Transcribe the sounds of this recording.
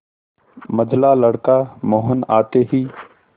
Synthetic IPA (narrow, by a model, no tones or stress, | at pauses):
məd͡ʒʱlaːləɽkaːmoːɦənaːt̪eːɦiː